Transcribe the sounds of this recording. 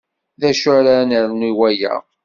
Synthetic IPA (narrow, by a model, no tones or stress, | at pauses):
ðæʃʊɾaɾnəɾniwæjæ̰